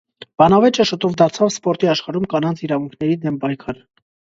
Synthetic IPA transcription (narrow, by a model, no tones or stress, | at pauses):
b̥ɑnɑvɛt͡ʃəʃət̪ɔvd̪ɑɾt͡sʰɑvspɔɾt̪iɑʃχɑɾumkɑnɑnt͡sʰiɾɑvuŋkʰnɛɾid̪ɛmpɑjkʰɑɾ